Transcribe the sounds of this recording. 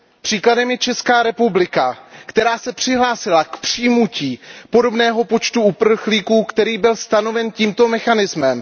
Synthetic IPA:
pr̥iːkladɛmjɛt͡ʃɛskaːɾɛpublɪkakt̪ɛɾaːsɛpr̝̥ɪɦlaːsɪlakpr̥iːjmuciːpo̞do̞bnɛːɦo̞po̞t͡ʃt̪uupr̩xliːkuːkt̪ɛɾiːbɪlst̪ano̞vɛnciːmt̪o̞mɛxanɪzmɛm

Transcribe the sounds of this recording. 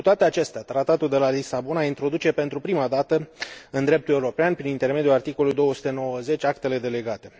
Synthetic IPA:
kut̪oat̪eat͡ʃe̞st̪eat̪ɾat̪at̪uld̪e̞lalisabonaint̪ɾo̞d̪ut͡ʃe̞pe̞nt̪ɾupɾimad̪at̪əɨnd̪ɾe̞p̚t̪ule̞uɾo̞peanpɾinint̪e̞rme̞d̪julart̪iko̞luljd̪o̞wəsu̥t̪e̞no̞wəze̞t͡ʃʲakt̪ele̞d̪e̞le̞ɡat̪e̞

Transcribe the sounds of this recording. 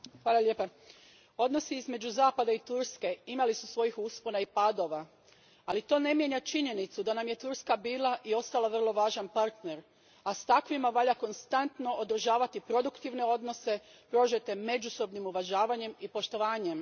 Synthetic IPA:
xʋaːlˠalʲjepa | o̞d̪no̞siizme̞d͡ʑuzaːpad̪ait̪uɾske̞imalisusʋo̞jixusponaipaːd̪o̞ʋa | alit̪o̞ːne̞mje̞ɲat͡ʃiɲe̞nit̪sud̪anamje̞t̪uɾskabiːlˠaʔio̞st̪alˠaʋər̩lˠo̞ʋaːʒanpaɾt̪ne̞ɾ | ast̪akʋimaʋaʎako̞nst̪ant̪no̞ʔod̪ɾ̩ʒaːʋat̪ipɾo̞d̪ukt̪iʋne̞o̞d̪no̞se̞pɾo̞ʒet̪e̞me̞d͡ʒuso̞bnimuʋaʒaːʋaɲe̞mipo̞ʃt̪o̞ʋaːɲe̞m

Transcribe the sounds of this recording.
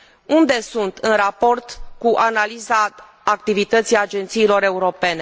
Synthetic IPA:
und̪e̞sunt̪ɨnrapo̞rt̪kuʔanalizaː | k̚t̪ivit̪ət̪sijad͡ʒe̞nt̪siːlo̞ɾe̞uɾo̞pe̞ne̞

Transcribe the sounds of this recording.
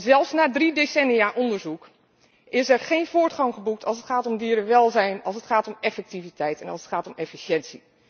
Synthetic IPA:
zɛlˠfsnaːdridesɛnijaʔɔndəɹzuk | ʔɪsɛɹχejnvʊːɹtχɑŋχəbuk̚tʰɑlˠsətχaːtɔmdiːɾəʋɛlˠzɛjnɑlˠsətχaːtɔmɛfɛk̚tivitɛjtɛnɑlˠsətχaːtɔmɛfiʃɛnsi

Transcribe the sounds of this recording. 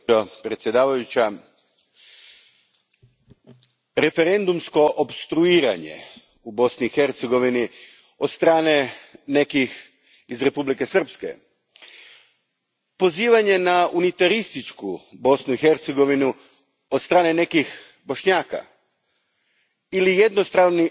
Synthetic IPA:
opɾe̞t̪sje̞d̪aːʋajut͡ɕa | ɾe̞fe̞ɾe̞nd̪umsko̞ʔobst̪ɾuiːɾa̰ɲe̞̰ | ubo̞sniːxert̪seɡo̞ʋini | od̪st̪ɾaːne̞ne̞kix | izɾe̞publike̞sr̩pske̞̰ | po̞ziːʋaɲe̞naunit̪aɾist̪it͡ʃkubo̞snuixe̞ɾt̪seɡo̞ʋinu | od̪st̪ɾaːne̞ne̞kix | bo̞ʃɲaːka̰ | ilije̞d̪nost̪aʋni

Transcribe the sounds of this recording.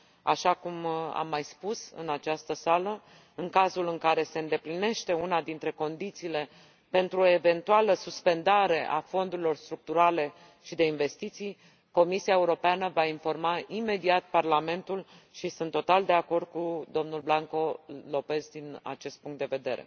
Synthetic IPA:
a̰ʃakuma̰mːajspusɨ̰nat͡ʃast̪əsalə | ɨŋkazulɨŋkaɾe̞se̞ɨnd̪e̞pline̞ʃt̪e̞unad̪int̪ɾe̞ko̞nd̪it̪siːle̞ | pe̞nt̪ɾuoe̞ve̞nt̪ualəsuspe̞nd̪aɾe̞ʔa̰fo̞nd̪uɾilo̞rst̪ɾuk̚t̪uɾale̞ | ʃid̪e̞inve̞st̪it̪sij | ko̞misiae̞uɾo̞peanəvainfo̞rmaime̞d̪iat̪̚parlame̞nt̪ul | ʃisɨnt̪ːo̞t̪ald̪e̞ako̞rd̪̥̚kud̪o̞mnulblaŋko̞lo̞pe̞zd̪ina̰t͡ʃe̞st̪̚puŋkt̪̚d̪eve̞d̪e̞ɾe̞̰

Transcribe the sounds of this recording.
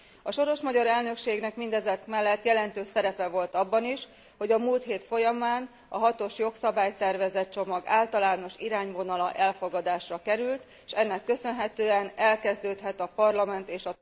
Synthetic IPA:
ɒʃo̞ɾo̞ʃmɒɟɒɾɛlnø̞kʃeːɡnɛkmind̪ɛzɛkmɛlːɛt̪jɛlɛnt̪øːʃsɛɾɛpɛvo̞lt̪ɒbːɒniʃ | ho̞ɟɒmuːlt̪ɦeːt̪fo̞jɒmaːn | ɒɦɒt̪o̞ʃjo̞ksɒbaːjt̪ɛrvɛzɛt̪̚t͡ʃo̞mɒɡaːlt̪ɒlaːno̞ʃiɾaːɲvo̞nɒlɒʔɛlfo̞ɡɒd̪aːʃrɒkɛɾylt̪ | ʃɛnːɛkːø̞sø̞nɦɛt̪øːɛnɛlkɛzd̪øːt̪ɦɛt̪ɒpɒrlɒmɛnt̪eːʃɒ

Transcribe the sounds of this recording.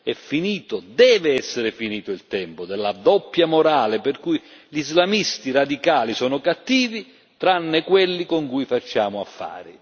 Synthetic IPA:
ɛfːiniːt̪ʊd̪ɛːvɪɛsːɪɾɪfiniːt̪ʊilt̪ɛmpʊd̪ɛlːad̪ɔpːjamʊɾaːlɪperkujʎizlamist̪irad̪ikaːlisɔːnʊkat̪ːiːvi | t̪ɾanːɪkwelːikoŋkujfat͡ʃːaːmʊa̰fːa̰ːɾi

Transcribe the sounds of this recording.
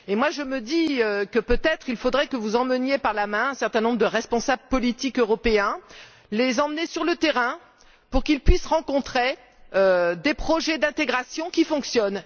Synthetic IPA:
emwaʒəməd̪iøkəpøt̪ɛt̪χilfod̪ʁɛkəvuzɑ̃mənjepaʁlamɛ̃ɛ̃sɛʁt̪ɛ̃nɔ̃bʁəd̪əʁɛspɔ̃sabləpɔlit̪ikøʁɔpeɛ̃ | lezɑ̃mənesyʁlət̪eʁɛ̃ | puʁkilpɥisʁɑ̃kɔ̃t̪χe | ød̪epχɔʒɛd̪ɛ̃t̪eɡʁasjɔ̃kʲifɔ̃ksjɔn

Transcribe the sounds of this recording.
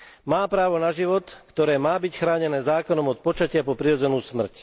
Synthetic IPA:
maːpɾaːʋɔnaʒiʋɔt̪kt̪ɔɾɛːmaːbicxɾaːɲɛnɛːzaːkɔnɔmɔt̪̚pɔt͡ʃacɪapɔpɾiɾɔd͡zɛnuːsmr̩c

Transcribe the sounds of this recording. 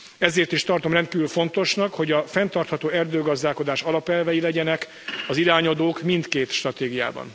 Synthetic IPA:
ɛzeːrt̪iʃt̪ɒrt̪o̞mrɛnt̪̚kiːvylfo̞nt̪o̞ʃnɒkho̞ɟɒfɛnt̪ɒrt̪hɒt̪oːɛrd̪øːɡɒzd̪aːko̞d̪aːʃɒlɒpɛlvɛjilɛɟɛnɛk | ɒziɾaːɲɒd̪oːkmint̪keːt̪ʃt̪rɒt̪eːɡija̰ːbɒ̰n

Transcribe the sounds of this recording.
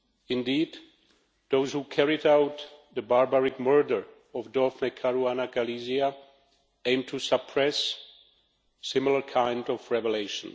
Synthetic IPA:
ɪ̃ndiːd̪ | ðoʊzhukʰɛɹiɾaʊt̪ðɨbaɹbaɹɪkmɜ˞də˞ | ɔvdɔfnekʰaɹuanakalizia | ẽɪ̃mtʰusəpʰɹɛs | sɪ̃ml̩ˠə˞kʰãɪ̃ndɔvɹɛvəleɪʃə̰̃n

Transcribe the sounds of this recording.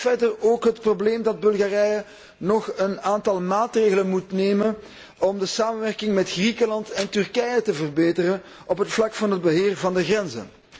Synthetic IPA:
vɛrdəroːkɦətprobleːmdɑd̚bɵlˠɣaːrɛjə | nɔxənaːntɑlˠmaːtreːɣələnmutneːmən | ɔmdəsaːmənʋɛrkɪŋmɛtxrikəlɑntɛntʏrkɛjətəvərbeːtərən | ɔpɦətflɑkfɑnɦəd̚bəɦeːrvɑndəɣrɛnzə̰

